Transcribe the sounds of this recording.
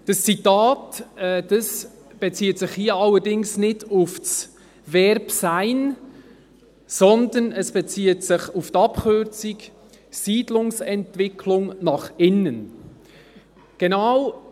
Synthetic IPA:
d̥ɑst͡sitaːtɛd̥ɑs | b̥ɛt͡siːətsɪχhiːəɑlːədɪŋsnɪdʊfs | vɛɾpsaɪn | sɔnd̪ənɛsb̥ɛt͡siːətsɪχʊftɑpkʰʏɾt͡sik | siːdlʊŋsɛntvɪkʰlʊŋnɑχɪnːən | ɡ̥ɛnaʊ

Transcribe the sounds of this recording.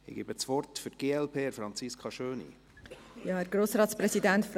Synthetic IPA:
ɪ̰ɡibət͡sʋɔɾtfʏt̚ɡ̥eːɛlpʰeːəfɾɑnt͡siskʰɑʃøːnḭ | jɑːəɾɡ̥ɾoːsɾɑːt̪spɾɛsidæntf

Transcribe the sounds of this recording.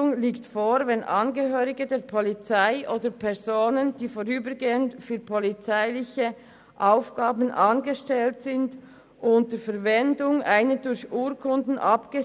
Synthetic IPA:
ʊŋliːktfoːɾvɛnʔɑnɡəɦøːʁɪɡədeːɐpʰɔlit͡saɪʔoːdəpʰɛʁzoːnənd̥iːfoʁyːbəɡeːənfyːpʰɔlit͡saɪlɪçə | ʔaʊfɡ̥aːbən̩ʔɑnɡəʃtɛltsɪnd | ʔʊntəfɛɐvɛndʊŋaɪnədʊɾçʔuːɾkʰʊndn̩ʔɑpɡ̥ə

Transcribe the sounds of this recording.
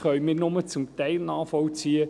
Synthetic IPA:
χœʏmɪnʊmət͡sʊmt̪ɛɪlnaːfɔlt͡siːə

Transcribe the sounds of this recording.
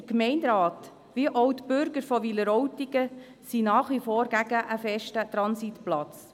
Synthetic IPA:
əkmɛɪndɾɑːt̪ | ʋiəʔowt̪bʏɾɡəɾfɔʋiləɾɔwtiɡə | sinɑːχʋifɔːɾɡæɡ̥əʔəfɛʃtət̪ɾɑnsit̪plɑt͡s

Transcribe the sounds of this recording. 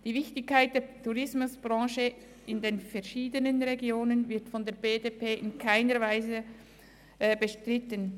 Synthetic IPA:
d̥iːvɪçtɪçkːaɪt̚d̥eːtʰuʁɪsmʊsb̥ʁɑ̃ːʃə | ʔɪndeːnfɛɾʃiːdənənʁeɡjoːnənvɪɐtfɔndeːɐbeːdepʰeːʔɪnkʰaɪnəɾvaɪzə | ɛːbəʃtʁɪtən

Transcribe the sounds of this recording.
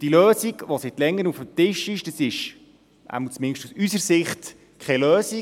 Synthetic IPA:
d̥iløːsiɡʋosɪtlɛŋːəɾnufəmtɪʃɪʃd̥əsɪʃ | ʔæ̰ɪməlt͡smɪnʃtusysəɾsɪχt | kʰɛløːsi

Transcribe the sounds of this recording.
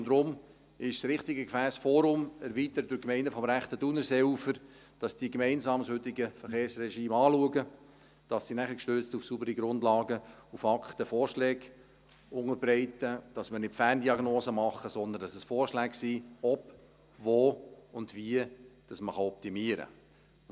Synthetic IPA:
ndɾʊm | ɪʃsrɪχtiɡəkfæːsfɔːɾʊmɛɾviːt̪əɾətd̥ʊɾkmɛɪndəfɔmɾæχtədunəɾsɛʊfəɾ | d̥ɑsd̥iɡmɛɪnsɑːmshøt̪ɪiɡəfəɾχeːɾsrɛʃiːmɑːluəɡə | d̥ɑsːinæχəkʃtøːt͡stufsubəɾiɡɾʊndlɑːɡəufɑkχtəfɔːrʃlɛːɡ̥ | ʊŋəɾbrɛɪtəd̥ɑsməɾnɪtfæːndiɑɡnoːzəmɑχːəsɔnd̪ən̩dɑsɛsfɔːrʃlɛːksiːɔp | voːʊndviəd̥ɑsməχɑɔp̚timiːəɾə̰

